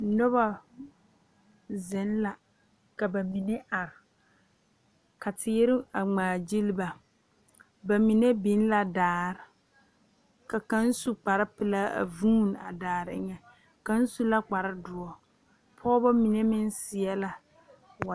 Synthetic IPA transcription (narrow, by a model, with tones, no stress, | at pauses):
nɔ˦βa˦ | zɪ˨n˦la˨ | ka˨ba˨mi˨ne˦ʔa˨ɾɪ˨ | ka˨tʰɪ˦ɾɪ˦a˨ŋ͡maː˨d͡ʒi˦lba˨ | ba˨mi˨ne˦bi˨˦n˦la˨daː˨ɾɪ˨ | ka˨ka˦n̩˦su˦k͡pa˨ɾɪ˦pɪ˨la˦a̰˨vuː˦n˨a̰˨daː˨ɾɪ˨˦ŋɛ˨ | ka˦n̩˦su˦la˦k͡pa˨ɾɪ˦dʊ˨ɔ˨ | pʰɔː˦ba˦mi˨ne˦mɪ˦n˦sɪ˨ɛ˦la˨ | wa˨